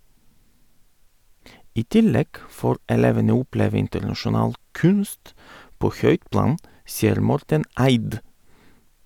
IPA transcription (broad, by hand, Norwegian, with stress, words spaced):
ˈiː ˈtɪˌlɛɡ ˈfoːɾ ɛˈleːʋənə ˈʊˌpleːʋ ˈɪntəɾnɑʃʊˌnɑːl ˈkʉnst ˈpoː ˈçœʏt ˈplɑːn ˈsiːəɾ ˈmɔɾtən ˈæɪd